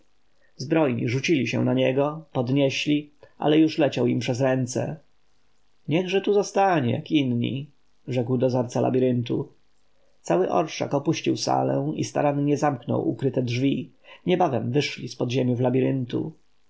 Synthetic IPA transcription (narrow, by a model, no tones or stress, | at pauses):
zbɾɔjɲḭʐut͡ɕilʲiɕɛ̰w̃naɲɛɡɔpɔd̪ɲɛɕlʲiʔa̰lɛjuʂlɛt͡ɕawimpʂɛzɾɛnt̪sɛ̰ | ɲɛɣʐɛt̪uzɔst̪aɲɛjakinɲḭ | ʐɛkwd̪ɔzaɾt̪sala̰bʲiɾɘnt̪u | t̪sawɘʔɔ̰ɾʂa̰kɔpuɕt͡ɕiwsa̰lɛ̰̃ḭst̪a̰ɾanɲɛzamknɔ̰wʔukɾɘt̪ɛdʐvʲi | ɲɛbavɛmvɘʂlʲispɔd̪ʑemʲjuvlabʲiɾɘnt̪ṵ